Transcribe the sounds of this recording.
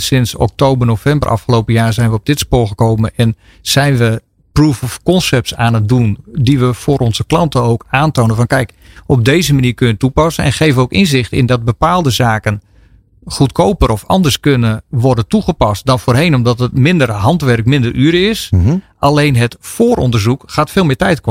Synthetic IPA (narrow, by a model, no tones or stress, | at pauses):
sɪnsɔ̰k̚towbərnowfɛmbə̰rʔɑ̰fχəlowpəjaːrzɛjnʋəɔb̚dɪtspoːlˠχəkowmənɛn | z̥ɛjnʋə | pruvɔfkɔnsɛp̚tsaːnət̚dundiʋəfʊːɾʔɔnzəklɑntəowkaːntoːnənfɑnkɛjk | ɔb̚deːzəmaniːɹkønəətupɑsənɛ̰nχejvənowkɪnzɪxtɪ̰ndɔd̚bəpaːlˠdəzaːkən | χutkʰowpəɾɔfɑ̰ndərskønəʋɔrdəntuχəpɑst̚dɔnfoːrɦejnɔmdɔtətmɪndərɦɑntʋɛrkmɪndərʔyːɾəɪsʔalejnɦətfoːɾɔndərzukxaːtfɪːlˠmɪːtɛjtk